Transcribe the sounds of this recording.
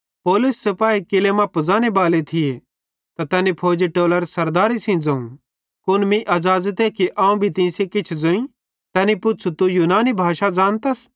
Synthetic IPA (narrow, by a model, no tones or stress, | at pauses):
poːlʊsːɐpaːikɪlemapɐd͡zaːñebaːlet̪ʰɪje | t̪at̪ɛːnipʰoːd͡ʒiʈoːləɾsɐɾd̪aːɾisĩd͡zɐ̃ũ | kʊnmĩʔɐzaːzət̪ekiʔãːũbʱit̪ɪ̃sekɪt͡ʃʰd͡zoĩ | t̪ɛːnipʊtːt͡ʃʰut̪ujuːnaːnibʱaːʃad͡zaːnt̪ɐs